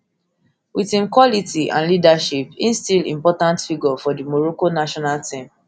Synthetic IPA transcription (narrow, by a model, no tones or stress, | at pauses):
witĩnkwɔlitiʔã̰nlidaʃipĩnstilḭ̃mpɔtãntfiɡɔfɔdimɔɹokonaʃɔnaltĩm